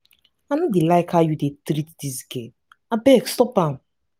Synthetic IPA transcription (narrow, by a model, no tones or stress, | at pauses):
anudilaɪkʰajudetɾitdizike | abɛkstɔpan